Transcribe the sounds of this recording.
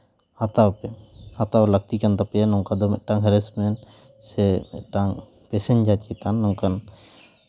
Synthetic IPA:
hat̪awpɛat̪awlək̚t̪ikant̪apɛanɔŋkad̪ɔmɛʔ̪̚ʈaŋɦɛɾɛsmɛn | sɛmɛ̰t̪̚ʈaŋ | pɛsɛnd͡ʒat͡ʃkɛt̪anːɔŋkan

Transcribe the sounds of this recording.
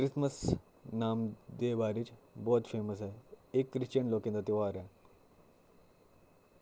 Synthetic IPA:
kɾisməs | naːmd̪eʋaɾit͡ɕbɔːt̪feməs̬aɦeekːɾiɕt͡ɕəɳlokẽnd̪at̪eʋaɾja

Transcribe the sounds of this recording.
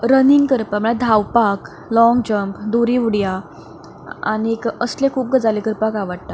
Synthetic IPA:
ɾəniŋɡkəɾpam̤əɭad̪ʱawpak | lɔŋɡd͡ʑəmpd̪uɾiʋuɽja | a̰ñiekəslekʰuːp̚ɡəd͡zalekəɾpakaʋaɽt̪a

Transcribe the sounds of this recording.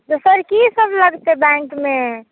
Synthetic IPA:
d̪osəɾkisəbləɡt̪ebɛ̃ŋkme

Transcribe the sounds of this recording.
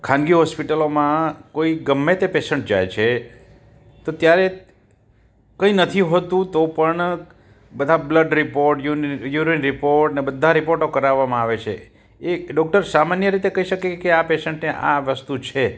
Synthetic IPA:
kʰãnɡiɦɔspiʈəlomãkoiɡəmːet̪epesəɳʈ̚d͡ʒa̰jt͡ʃʰe | t̪ot̪jaɾe | kəinət̪ʰiɦot̪ũt̪opəɳ | bəd̪ʱabləɖɾipoɾʈjujuɾinɾipoɾʈnebəd̪ʱːaɾipoɾʈokəɾaʋːamãaʋet͡ʃʰḛ | eɖɔk̚ʈəɾsamanjəɾit̪ekəɦiʃəkekeapesəɳʈneʔa̰ʋəst̪ut͡ʃʰe

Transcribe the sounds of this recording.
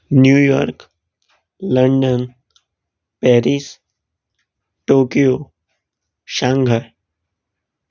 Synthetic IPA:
njuːjɔ̰ːɾk | lə̃ɳɖən | pɛːɾiːs | ʈoːkijoː | ʃãːŋɡʱəɾ

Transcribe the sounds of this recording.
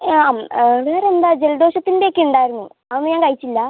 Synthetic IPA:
aːmʋe̞ːre̞nd̪aːd͡ʑe̞ld̪o̞ːɕɐt̪ːindekʲːeuɳɖaːjiɾunːu | ɐðonːɨɲaːŋkɐɻit͡ɕːilːɐ

